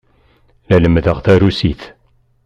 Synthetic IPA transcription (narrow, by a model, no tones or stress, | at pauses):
læləmðəʁθæɾusiθ